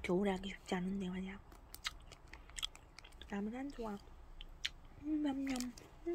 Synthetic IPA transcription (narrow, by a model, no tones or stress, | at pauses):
kjʌuɾɦaɡiɕɥu̥p̚t͡ɕ͈ianɯnde̞maɲaŋ | namɯnand͡ʑʰowa | mamɲʌnp